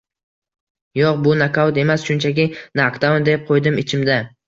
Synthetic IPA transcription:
joq̚bʊnakʰawt̪e̞masʃʊnt͡ʃʰakʲɪnakd̪and̪ep̚qʰojd̪ɪmɪt͡ʃʰɪmd̪a

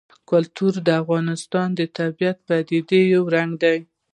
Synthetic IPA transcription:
kʊlt̪uɾd̪əafɣɑnɪst̪ɑnd̪ət̪abijat̪̚pad̪id̪ejawɾaŋɡd̪aj

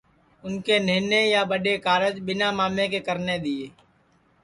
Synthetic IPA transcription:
ʊnkenɪːnejaːbəɖekaːɾəd͡ʒbɪnaːmaːmekekəɾned̪ieː

